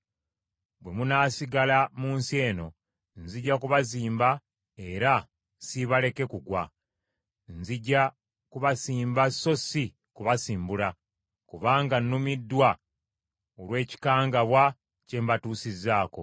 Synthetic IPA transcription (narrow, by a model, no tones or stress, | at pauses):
bwe̞munaːsiɡalamuːnsie̞ːno̞ | nziɟːakuβaziːmba | e̞ɾa | siβale̞ke̞kuɡwa | nziɟːa | kuβasiːmbasːo̞si | kuβasiːmbula | kuβaːŋɡanːumidːwa | olwe̞ːci̥kaːŋɡaβwa | ce̞mbatuːsizaːko̞